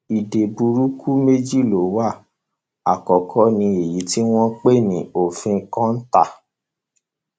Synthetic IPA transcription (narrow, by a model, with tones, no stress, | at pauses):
i˨de˨bu˧ɾu˦kʰu˦me˦d͡ʒi˦˨lo˨˦wa˦˨ | a̰˨kɔ˨kʰɔ˨˦nĩ˧e˨ji˨˦ti˦w̃ɔ̃˦k͡pe˦˨nĩ˨o˨fĩ˧˦kɔ̃˦n̩˦ta̰˦˨